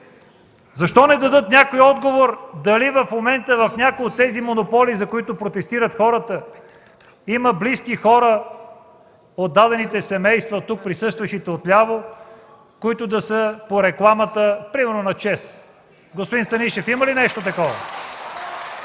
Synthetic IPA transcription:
zɐʃt̪ɔnɛd̪ɐd̪ɤt̪nʲakojɔd̪ɡovoɾd̪ɐlivɐfmomɛnt̪əvɐfnʲakojot̪ːɛzimonopɔlizɐkoit̪ʊpɾot̪ɛst̪iɾət̪xɔɾət̪ə | iməbliskixɔɾə | od̪ːad̪ɛnit̪ɛsɛmɛjst̪vɐt̪uk̚pɾisɤst̪vəʃit̪ɛot̪lʲavo | koit̪ʊd̪ɐsəpoɾɛklˠamət̪əpɾimɛɾnonɐt͡ʃɛs | ɡospod̪inst̪ɐniʃɛfiməlinɛʃt̪ot̪ɐkɔvɐ̰

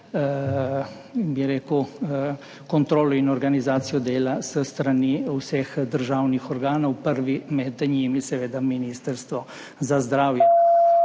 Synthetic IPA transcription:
biɾeːkəw | kɔnt̪ɾoːlɔinɔɾɡanizaːt̪sijɔd̪eːlasəst̪ɾaniwsɛxd̪əɾʒaːwnixɔɾɡaːnɔwpəɾʋimɛd̪ɲiːmisɛʋeːd̪aminist̪əɾst̪ʋɔ | zazd̪ɾaːwjɛ

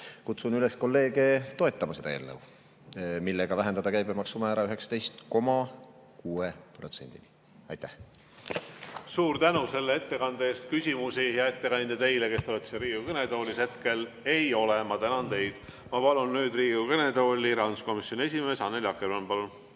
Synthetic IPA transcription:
kut̪sunyle̞sko̞lːe̞ːɡe̞t̪o̞et̪ˑːɑmɑse̞d̪ɑe̞̰ːlnəw | milːeɡ̥ɑvæɦend̪ɑd̪ɑkæjbemɑksumɑæːɾɑyɦe̞ksɑ̥t̪e̞jst̪ko̞mɑ | kuːepro̞t̪se̞̰nʲd̪̥ḭni | ɑ̰jt̪ːæh | suːɾt̪ænuse̞lːee̞t̪ːe̞kɑnd̪̥eeːst̪̚kysʲimusijɑe̞t̪ːe̞kɑnʲd̪̥ɑt̪e̞jleke̞st̪olet̪ːseɾiːɡukɤned̪o̞ːlʲise̞t̪ke̞l | e̞jo̞lemɑt̪ænɑnt̪e̞jd̪̥ | mɑpɑlunːyːd̪riːɡukɤned̪o̞ːlʲːiɾɑnsko̞misjo̞nʲie̞sʲime̞ːsɑnːeljɑkːeɾɑnpɑlun

